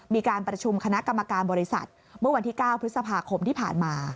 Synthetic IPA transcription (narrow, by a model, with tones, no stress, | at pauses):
miː˧kaː˧npɾa˧t͡ɕʰu˧mkʰa˧na˦˥ʔka˧mːa˧kaː˧nbɔː˧ɾi˦˥sa̰˨˩t̪̚ | mɯ˥˩ɐwa˧nt̪ʰiː˥˩kaː˥˩wpʰɾɯ˦˥t̪̚sa˧pʰaː˧kʰo˧mt̪ʰiː˥˩pʰa̰ː˨˩nmaː˧